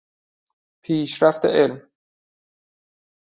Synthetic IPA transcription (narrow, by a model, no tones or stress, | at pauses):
pʰiːʃɾæft̪ʰeʔelm